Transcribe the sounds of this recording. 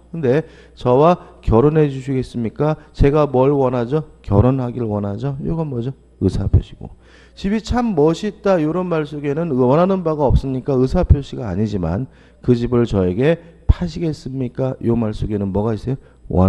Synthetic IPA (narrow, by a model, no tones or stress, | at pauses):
kɯnde̞ | t͡ɕʌwakjʌɾonɦe̞d͡ʑuɕʰiɡe̞s͈ɯmɲik͈at͡ɕe̞ɡamʌɭwʌnad͡ʑʌkjʌɾonɦaɡiɾɯɭwʌnad͡ʑʌjoɡʌnmʌd͡ʑʌ | ɯsʰapʰjo̰ɕʰiɡ̥o̰ | t͡ɕibit͡ɕʰamːʌɕʰit̚t͈ajoɾʌnmaɭs͈oɡe̞nɯnʌnɦanɯnbaɡaʌp̚s͈ɯmɲik͈aɯsʰapʰjoɕʰiɡaːɲid͡ʑima̰n | kɯd͡ʑibɯɭt͡ɕʌe̞ɡe̞pʰaɕʰiɡe̞s͈ɯmɲik͈ajḭonmaɭs͈oɡe̞nɯnmʌɡais͈ejo | wʌ̰n